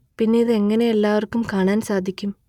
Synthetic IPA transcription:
pinːe̞jiðɨe̞ŋːɐne̞elːaːʋɐrkːumkaːɳaːnsaːd̪ʱikʲːum

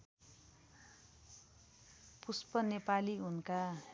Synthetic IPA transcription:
puspʌnepaliunka

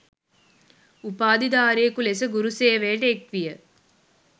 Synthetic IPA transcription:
upaːd̪id̪aːɾijekulesəɡuɾuseːʋeːʈəekʋijə

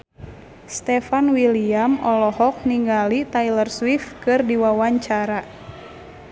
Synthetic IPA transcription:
st̪ɛfanwiliamɔlɔhɔk̚niŋɡalit̪ailərswifkɨrdiwawaɲt͡ʃaɾa

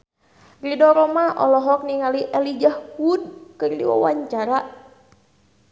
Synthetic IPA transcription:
ridɔɾɔmaʔɔ̰lɔɦɔk̚niŋaliʔɛlid͡ʒahhud̪̚kɨrdḭwa̰wa̰ɲt͡ʃaɾa

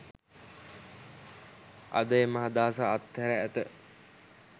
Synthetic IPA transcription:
a̰d̪əemaɦad̪aːsaːt̪ːɛɾəæt̪ə

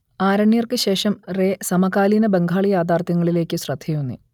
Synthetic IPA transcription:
aːɾɐɳːjɐrkɨɕe̞ːʂɐmreːsɐmɐkaːlinɐbeŋɡʱaːɭijaːd̪aːrt̪jɐŋːɐɭile̞ːkʲːɨɕrɐd̪ʱjɐjunːɨ̰

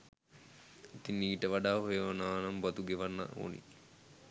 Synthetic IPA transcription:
it̪inːiːʈəʋaɖaːɦojəʋanaːnambat̪uɡeʋanːa̰ʔo̰ːnḭ

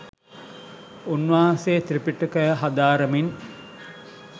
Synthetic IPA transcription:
unʋaːseːt̪ɾipiʈukəjəɦad̪aːɾəmin

